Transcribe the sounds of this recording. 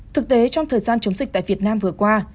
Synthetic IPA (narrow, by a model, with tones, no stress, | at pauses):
t̪ʰɨ˨˩k̚t̪e˨˦t͡ɕɔ˧wŋ͡mt̪ʰəː˨˩jzaː˧nt͡ɕə˨˦wŋ͡mzï˨˩t̪a̰ː˧˨vi˨˩ət̚naː˧mvɨ˨˩əkwaː˧